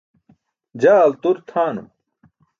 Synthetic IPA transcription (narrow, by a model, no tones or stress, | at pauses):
d͡ʑaːɐlt̪uɾt̪ʰaːnum